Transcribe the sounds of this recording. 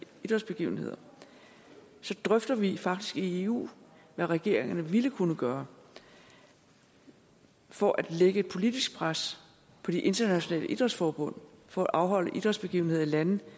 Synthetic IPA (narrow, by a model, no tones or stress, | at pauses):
id̥ʁɐdsb̥e̝ɡ̥ḭʊn̩he̝ð̰ˠɐ | sɒ̽d̥ʁœfd̥ɐʋifɑ̈ɡ̥̚d̥isɡ̥ie̝ṵː | ʋæʁɛɡ̥e̝ɐ̰eŋɐnəʋiləkʰunəɡ̥ɶːɐ | fɒʔæd̥leɡ̥əe̝d̥̚pʰo̝lid̥isɡ̥̚pʰʁas | pʰɒ̽d̥iʔe̝nd̥ɐnæɕo̝nɛ̰ːləʔid̥ʁɐd̥sfɒːb̥ɔ̽n̰fɒ̽æʔɑ̈ʊɦɒ̽l̰əʔid̥ʁɐdsb̥e̝ɡ̥iːʊn̩e̝ðˠilænð̩ˠ